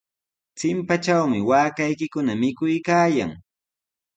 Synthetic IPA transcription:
t͡sɪmpat͡ʃawmɪwaːkajkɪkʊnamɪkʊjkaːja̰ŋ

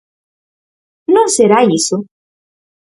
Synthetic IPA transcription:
noseɾaiso

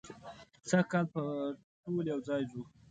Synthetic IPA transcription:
sakɑlpə | ʈoljawd͡zɑjʐu

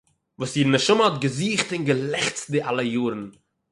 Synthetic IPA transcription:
vuːsiːɾnəʃʊməhɔtɡəziːχtɪnɡəlɛχtdɪʔalˠəjuːɾn̩

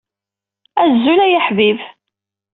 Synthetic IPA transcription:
æzːulæjəħviv

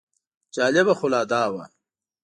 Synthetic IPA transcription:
t͡ɕaːlebɐxʊlaːd̪aːwɐ̰

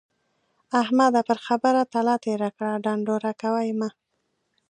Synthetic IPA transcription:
ahmad̪apəɾxabəɾat̪alɑt̪eɾakɽaɖaɳɖoɾakawajma

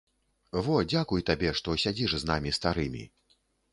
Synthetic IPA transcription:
vɔd͡zʲakujt̪abʲɛʂt̪ɔsʲad͡zʲiʂznamʲist̪aɾɨmʲḭ

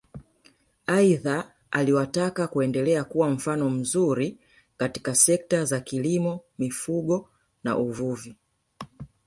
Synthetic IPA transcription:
aiða | aliwatakakuɛndɛlɛakuwam̩fanɔm̩zuɾi | kati̥kasɛk̚tazakilimɔmifuɠɔ | na̰ʔuvuvi

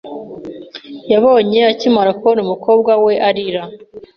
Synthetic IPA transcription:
jaβo̞ːɲe̞acimaɾakoɾimuko̞ːbɡawe̞ʔaɾiɾa

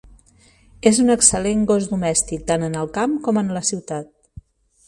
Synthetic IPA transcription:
ezunəksəleŋɡɔzd̪umɛst̪ik̚t̪anənəlˠkamkɔmənləsiwt̪at̪̚

